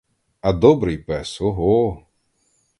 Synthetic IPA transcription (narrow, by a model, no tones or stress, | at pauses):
ɐd̪ɔbɾɪjpɛsɔɦɔ